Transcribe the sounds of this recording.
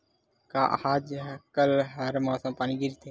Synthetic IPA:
kaːʔhaːd͡ʒkəlɦəɾmaːsãːpaːniɡiɾit̪ʰe

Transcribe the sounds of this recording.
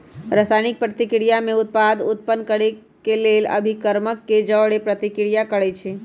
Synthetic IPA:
ɾəsajnik̚pɾət̪ikɽijamẽʊt̪̚pad̪ut̪̚pənkəɽe | kelelə̰bʱikəɾməkːed͡ʒəːɽepɾət̪ikɽijakəɽɛt͡ʃʰe

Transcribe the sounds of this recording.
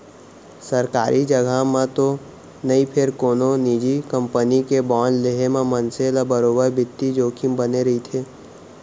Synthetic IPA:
səɾkaːɾʔid͡ʒəɡamãt̪o | nɐĩpʰɪɾkoːnõniːd͡ʒikə̃mpənikebɔːnleɦemẽmənselabəɾoːbəɾbɪt̪ːid͡ʒoːkʰimbəneɾɐɦit̪ʰeː

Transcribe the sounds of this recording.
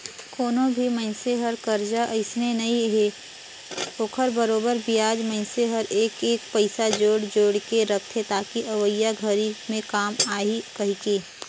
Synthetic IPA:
koːnõbʱimɐnseɦəɾkɐɾd͡ʒaʔɐɪsnenɐɦĩɦeː | oːkʰəɾbəɾoːbəɾbijaːd͡ʒmə̃nseɦəɾeːkeːk̚pɐɪsad͡ʒoːɽd͡ʒoːɽkeɾɐkʰt̪ʰɦet̪aːkiʔɐʋəjːaɡʱəɾimẽkaːmaːikɐɦikeː

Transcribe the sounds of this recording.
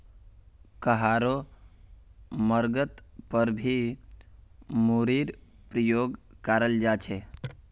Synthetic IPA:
kəɦaɾo | məɾɡət̪pəɾbʱi | muɾiɾ | pɾəjoɡkaɾəld͡ʒat͡ʃʰe

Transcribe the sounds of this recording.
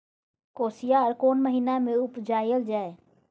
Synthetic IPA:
koːsijaɔːɾkoːnməɦinamẽʊpd͡ʒaːjəld͡ʒaːe

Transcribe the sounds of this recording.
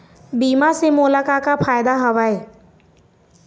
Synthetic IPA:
biːmasemolakakapʰaːjd̪aɦəʋae

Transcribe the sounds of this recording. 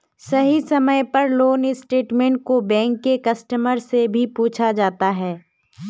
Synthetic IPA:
sɐɦisɐməjpɐɾloːnɪsʈeːʈmẽːɳʈ̚kobɛ̃ːŋkːekɐsʈəməɾsebʱipuːt͡ʃʰad͡ʒaːt̪aɦɛː

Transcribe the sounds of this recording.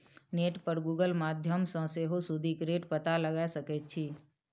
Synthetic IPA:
neːʈpəɾɡuːɡəlmaːd̪ʱjəmsə̃seɦosʊd̪ʱikɾeːʈpət̪aləɡasəkɛt͡ʃʰi

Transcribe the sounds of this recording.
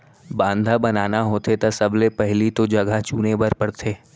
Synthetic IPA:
bãːnd̪ʱabɐnaːnaɦoːt̪ʰet̪asɐblepɛɦlit̪od͡ʒɐɡat͡ʃuːnebɐɾpɐɽt̪ʰeː

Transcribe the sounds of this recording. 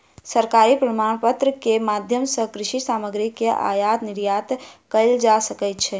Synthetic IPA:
səɾkaɾipɾəmaɳpət̪ɾəkemad̪ʱjəmsə̃kɾiʃisaməɡɾikːeʔa̰jat̪niɾjat̪kəld͡ʒasəkɛt̪̚t͡ʃʰɛ

